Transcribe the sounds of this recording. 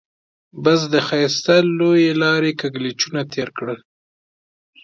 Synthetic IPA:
basd̪əxajst̪alojelɑɾekaɡlit͡ʃunat̪ʰeɾkɽəl

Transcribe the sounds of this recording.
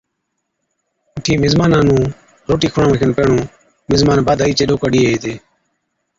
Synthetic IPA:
əʈʰiːmɪzmaːnãːnũː | ɾoːʈiːkʰʊɳãːʋekʰənpeːɳõː | mɪzmaːnbaːd̪ʱaːiːt͡ʃeːɗoːkəɗiːeeːt̪eː

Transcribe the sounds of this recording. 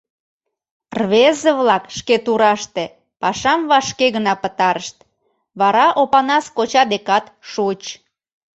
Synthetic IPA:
rβezəβlɑkʃket̪uɾɑʃt̪e | pɑʃɑmβɑʃkeɣənɑpət̪ɑɾəʃt̪̚ | βɑɾɑʔopɑnɑskot͡ɕɑd̪ekɑt̪ʃut͡ɕ

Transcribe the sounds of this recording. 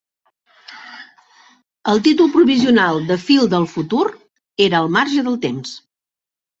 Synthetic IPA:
əlˠt̪it̪ulˠpɾuβiziunalˠd̪əfilˠd̪əlˠfut̪uɾ | eɾəːlˠmaɾʒəðəlˠt̪ems

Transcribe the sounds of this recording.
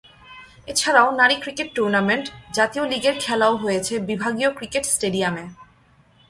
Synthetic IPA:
et͡ɕʰaɾaonaɾikɾikeʈːuɾnameɳʈd͡ʑat̪ioliɡeɾkʰɛlaoɦojet͡ɕʰebibʱaɡiokɾikeʈsʈeɖiame

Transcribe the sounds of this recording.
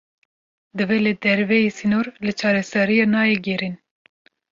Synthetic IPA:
d̪ɨvɛled̪ɛɾvɛjesinoɾlɨt͡ʃʰɑːɾɛsɛɾijɑnɑːjɛɡɛɾin

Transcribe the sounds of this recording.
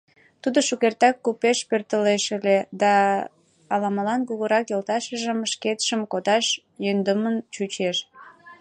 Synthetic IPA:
t̪ud̪oʃukert̪ɑkːupeʃpørt̪əleʃəled̪ɑː | lɑməlɑnkuɣəɾɑkjolt̪ɑʃəʒəmʃket̪ʃəmkod̪ɑʃ | jønd̪əmənt͡ɕut͡ɕeʃ

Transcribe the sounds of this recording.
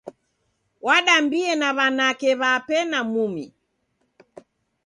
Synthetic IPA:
waɗambiɛnaβanakɛβapɛnamumi

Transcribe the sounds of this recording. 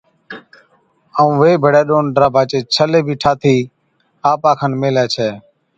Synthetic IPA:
əũːʋeːbʱəɽɛːɗoːnɖɾaːbʱaːt͡ʃeːt͡ʃʰəleːbʱiːʈʰaːt̪ʰiː | aːpãːkʰənmeːlɛːt͡ʃʰɛː

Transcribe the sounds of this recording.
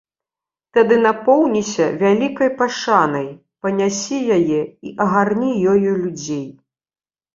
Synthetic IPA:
t̪ad̪ɨnapɔwnʲisʲɐvʲalʲikɐjpaʂanɐj | pɐnʲasʲijajɛiʔɐɣarnʲijɔjulʲud͡zʲej

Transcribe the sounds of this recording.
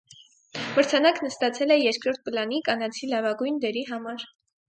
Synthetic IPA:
məɾt͡sʰɑnɑknəst̪ɑt͡sʰɛlɛjɛɾkʰɾɔɾt̪̚pəlɑnikɑnɑt͡sʰilɑvɑɡujnd̪ɛɾiɦɑmɑɾ

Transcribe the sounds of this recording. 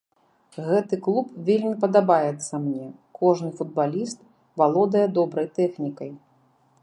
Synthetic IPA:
ɣɛt̪ɨklˠupvʲelʲmʲipɐd̪abajɛt̪sːɐmnʲɛkɔʐnɨfud̪̚balʲist̪ | valˠɔd̪ɐjɛd̪ɔbɾɐjt̪ɛxnʲikɐj

